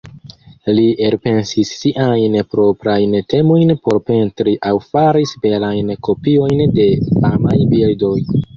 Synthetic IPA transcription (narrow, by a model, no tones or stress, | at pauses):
lieɾpe̞nsisːiʔajnpɾo̞pɾajnte̞mo̞jnpo̞ɾpe̞ntɾiʔawfaɾisbe̞lajnkʰo̞pio̞jnde̞amajbildo̞j